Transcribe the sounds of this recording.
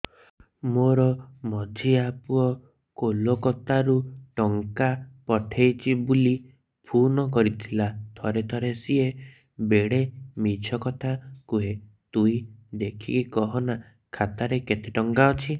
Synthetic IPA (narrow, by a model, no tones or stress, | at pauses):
moɾɔmɔd͡ʒʱiapuɔ | kolokɔt̪aɾuʈɔŋkapɔʈʰejt͡ʃʰibuli | pʰunɔk̬ɔɾit̪ʰilat̪ʰɔɾet̪ʰɔɾesie | beɽemit͡ʃʰɔkɔt̪ʰakuɦe | t̪uĩd̪ekʰḭkkɔɦɔna | kʰat̪aɾeket̪eʈɔŋkaɔt͡ʃʰi